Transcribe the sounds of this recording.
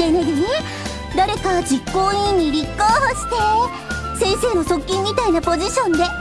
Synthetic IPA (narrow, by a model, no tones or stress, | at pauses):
enaɡ̪one | d̪aɾe̞kad͡ʑikːo̞ːɲiɲːiɾʲikːoːhoɕi̥t̪e̞ | sẽ̞ɰ̃se̞ːno̞so̞kʲːĩmːʲit̪ainapo̞ʑiɕõ̞nd̪e̞